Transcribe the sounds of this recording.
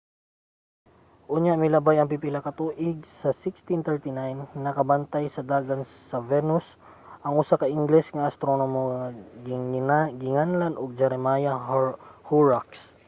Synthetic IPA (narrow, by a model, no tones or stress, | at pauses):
ʔʊɲjaʔmɪlɐbajɐŋpipɪlɐkɐt̪uːʔɪɡ̚sɐsɪkst̪int̪ɛɹt̪inajnːɐkɐbɐnt̪ajsɐd̪aːɡɐnsɐvɛnʊs | ʔɐŋʔʊsakɐʔɪŋɡlɛsŋɐʔɐst̪ɾo̞nomoŋɐ | ɡɪŋanlɐnoɡ̚d͡ʒɛɾɛmajɐ | huɹaks